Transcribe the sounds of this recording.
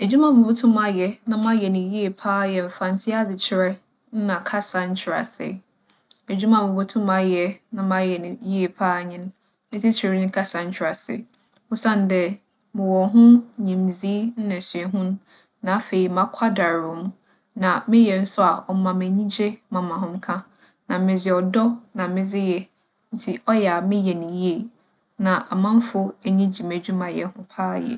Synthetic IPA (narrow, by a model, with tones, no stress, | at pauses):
e˨d͡ʑu˦mã˨mɪ̃˨bʊ˦tʰʊ̃˦mã˦jɛ˨nã˦mã˦jɛ˨nɪ̃˨ji˦e˨pʰaː˦jɛ˨m̩˨fã˨n˦tʰɪ˦a˦dɪ˨t͡ɕʰɪ˦ɾɛ˦ | n̩˦nã˨kʰa˦sã˦ɲ˦t͡ɕʰɪ˨ɾa̰˨sɪ̰˨ | e˨d͡ʑu˦mã˨mʊ̃˨bʊ˦tʰʊ̃˦mã˦jɛ˨nã˦mã˦jɛ˨ñ˨ji˦e˨pʰaː˦˨ɲɪ̃˦n˦ | nɪ̃˦tʰi˦t͡ɕʰe˨˦nɪ̃˦kʰa˦sã˨ɲ̩˦t͡ɕʰᶣɪ˨ɾa˨sɪ̰˨ | wʊ˦sã˦n˦dɛ˦ | mɪ̃˨wɔ˨ɦʊ̃˦ɲĩ˨mzi˦n̩˦nã˨si˨ɛ˨ɦʊ̃˦n˦ | nã˨a˦fe˨i˨mã˦kʷʰa˦da˨ɾʊ̃˨˦m˦ | nã˨mɪ̃˦jɛ˨n̩˦sʊ˦a˨ɔ˨˦mã˨mæ˨ɲĩ˦d͡ʑe˦mã˨mã˨ɦʊ̃˦mkʰã˦ | nã˨mɪ̃˨d͡zɪ˨ɔ˨dɔ˦nã˨mɪ̃˦d͡zɪ˦jɛ˦ | n̩˦tʰi˦ʔɔ˦jɛ˨a˨mɪ̃˦jɛ˨nɪ̃˨ji˦e˨ | nã˨ʔa˨mã˦m˦fʊ˦e˨ɲĩ˦d͡ʑi˨mæ˨d͡ʑᶣu˦mã˨jɛ˨hʊ̃˦pʰaː˦jɛ̰˨